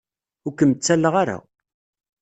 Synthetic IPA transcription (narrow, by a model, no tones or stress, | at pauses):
ʊɾkəmt͡sːælːəʁaɾa̰